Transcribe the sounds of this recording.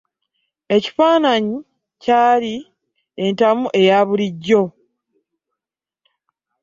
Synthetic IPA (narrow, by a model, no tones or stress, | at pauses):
e̞ci̥faːnaɲi | caːli | e̞ntamuʔe̞jaːβuliɟːo̞